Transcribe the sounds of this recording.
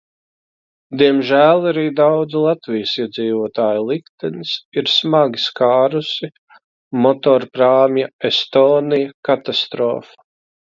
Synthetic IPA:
d̪iɛmʒæːlˠaɾiːd̪awd̪zilˠat̪vijəsiɛd̪ziːvuɔt̪aːjulˠikt̪ɛnisiɾsmaɡʲiskaːɾusi | mɔt̪ɔːɾpɾaːmjaest̪oːnijɐkat̪ast̪ɾɔ̰ːfḁ

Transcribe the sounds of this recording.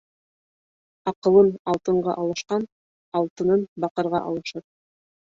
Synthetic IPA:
ɑqɤ̆lˠɤnɑlˠt̪ɤ̆ɴɢɑʔɑlˠɤ̆ʃqɑn | ɑlˠt̪ɤ̆nɤnbɑqɤ̆ɾʁɑʔɑlˠɤ̆ʃɤp̚

